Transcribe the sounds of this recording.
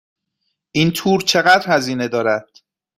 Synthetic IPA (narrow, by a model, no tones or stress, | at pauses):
ʔint̪ʰuːɾt͡ʃʰe̞ɣæd̪ɾhæziːne̞d̪ɒːɾæd̪̥